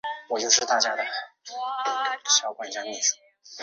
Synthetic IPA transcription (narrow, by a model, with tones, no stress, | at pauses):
wɔ˨˩t͡ɕjo˥˧ʊʂɻ̩˥˧t̪a˥˩t͡ɕja˥d̪ə˨ | ɕjɑ˨˩ʊkwa˥˩nt͡ɕja˥˧mi˥˩d͡zɹ̩˨˩˦